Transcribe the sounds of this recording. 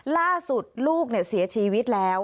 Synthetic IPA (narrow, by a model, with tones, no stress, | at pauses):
laː˥˩su˨˩t̪̚luː˥˩k̚ni˥˩ɐsi˩˦ɐt͡ɕʰiː˧wi˦˥t̪̚lɛː˦˥w